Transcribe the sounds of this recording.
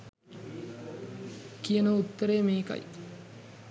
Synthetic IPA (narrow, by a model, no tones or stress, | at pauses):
kijɐnɐut̪ːɐɾeːmeːkɐ̰j